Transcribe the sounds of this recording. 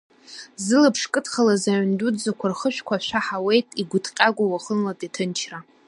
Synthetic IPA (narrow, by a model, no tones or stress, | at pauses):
zɨlapʰʂkʼɨtʰχalazaʕndud͡zakʷʰarχəʃʷᶣkʷʰaʃʷᶣaħawe̞jtʼiɡʷʊtʰʼqʲʼaɡʷʼawaχənlatʼitʰɨnt͡ʃʰra